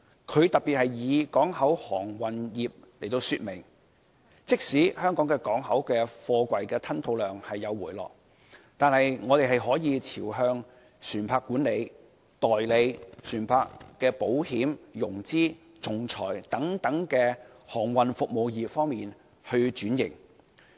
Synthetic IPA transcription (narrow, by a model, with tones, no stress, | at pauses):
kʰɵ˨˧ɥt̪ɐ˨t̚piː˨t̚hɐ˨jjiː˨˧kɔː˨˥ŋhɐ˨˥whɔː˨˩ŋwɐ˨njiː˨p̚le˨˩jt̪o˧wsyː˧t̚mɪ˨˩ŋ | t͡sɪ˥k̚siː˨˥hœː˥ŋkɔː˨˥ŋkɛː˧kɔː˨˥ŋhɐ˨˥wkɛː˧fɔː˧kʷɐ˨jkɛː˧t̪ʰɐ˥nt̪ʰo˧wlœː˨ŋhɐ˨jːɐ˨˧wːuː˨˩jlɔ̰ː˨˩k̚ | t̪aː˨nhɐ˨jŋɔː˨˧t̪e˨jɦɐ˨jɦɔː˨˥jiː˨˧t͡sʰiː˨˩wɦœː˧ŋ | syː˨˩npʰaː˧˥kːuː˨˥nle˨˧j | t̪ɔː˨jle˨˧jsyː˨˩npʰaː˧kːɛː˧po˨˥whiː˨˥mjʊ˨˩ŋt͡siː˥ | t͡sʊ˨ŋt͡sʰɔ̰ː˨˩jt̪ɐ˨˥ŋt̪ɐ˨˥ŋkɛː˧ | hɔː˨˩ŋwɐ˨nfʊ˨k̚mo˨wjiː˨p̚fɔː˥ŋmiː˨n | hɵ˧t͡ʃyː˨˥njɪ̰˨˩ŋ